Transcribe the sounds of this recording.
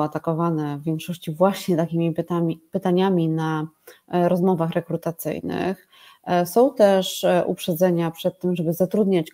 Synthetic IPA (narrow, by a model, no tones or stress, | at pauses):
at̪akɔvanɛvʲːjɛŋkʂɔɕt͡ɕivwaɕɲɛt̪akʲimʲipt̪apɘt̪aɲamʲina | ɾɔzmɔvaxɾɛkɾut̪at̪sɘ̰jnɘ̰x | sɔ̃w̃t̪ɛʂʔṵpʂɛd̪zɛɲapʂɛt̪ːɘmʐɛbɘzat̪ɾud̪ɲat͡ɕ